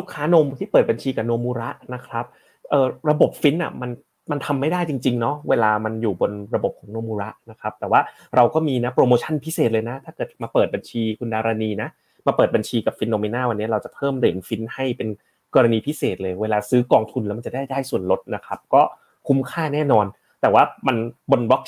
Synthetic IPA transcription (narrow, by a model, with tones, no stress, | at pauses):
lu˦˥kʰːaː˨˦˥no˧mt̪ʰiː˥˩pɤː˨˩t̪̚ba˧nt͡ɕʰiː˧ka˨˩no˧mːuː˧ɾa˦˥ʔna˦˥kʰɾa˦˥p̚ | ʔɤː˨˩ɾa˧bo˨˩p̚fi˦˥nʔa̰˨˩ma˧n | ma˧nt̪ʰa˧mːa˥˩jdaː˥˩jt͡ɕi˧ŋt͡ɕi˧ŋnɔ˦˥weː˧laː˧ma˧njuː˨˩bo˧nɾa˧bo˨˩p̚kʰɔː˩˦ŋnoː˧muː˧ɾa˦˥ʔna˦˥kʰɾa˦˥p̚t̪ɛː˨˩waː˥˩ | ɾa˧wkɔː˥˩miː˧na˦˥pɾoː˧moː˧t͡ɕʰa˥˩npʰi˦˥seː˨˩t̪̚lɤː˧jna˦˥t̪ʰaː˥˩kɤː˨˩t̪̚maː˧pɤː˨˩t̪̚ba˧nt͡ɕʰiː˧kʰu˧ndaː˧ɾaː˧niː˧na˦˥ | maː˧pɤː˨˩t̪̚ba˧nt͡ɕʰiː˧ka˨˩p̚fi˦˥nːoː˧miː˧naː˥˩wa˧nːi˦˥ɐɾa˧wt͡ɕa˨˩pʰɤː˥˩mdɯː˨˩˦nfi˦˥nha˥˩jpe˧n | kɔː˧ɾa˧niː˧pʰi˦˥seː˨˩t̪̚lɤː˧jweː˧laː˧sɯː˦˥kɔː˧ŋt̪ʰu˧nlɛ˦˥ma˧nt͡ɕa˨˩da˥˩jdaː˥˩jsu˨˩ənlo˦˥t̪̚na˦˥kʰɾa˦˥p̚kɔː˥˩ | kʰu˦˥mkʰaː˥˩nɛː˥˩nɔː˧n | t̪ɛː˨˩waː˥˩ma˧nbo˧nbɔ˦˥k̚